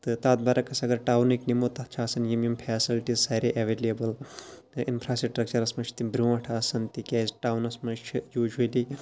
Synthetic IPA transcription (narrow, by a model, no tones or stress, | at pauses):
t̪ɨt̪aːt̪̚baːɾɐkɐsɐɡɐɾʈaːwniknimoːt̪ɐt͡ʃʰaːsɐnjimjimpʰɛːsilʈizsɐːɾeʔɐʋeːlɐbɐl | ɨʔinpʰɾaːsiʈʈɾɐk̚t͡ʃɐɾɐsmɐt͡ʃʰt̪imbɾʲuːʋɐ̃ʈʰaːsɐnt̪ikʲeːzʈaːwnɐsmɐt͡ʃʰjuːd͡ʒuli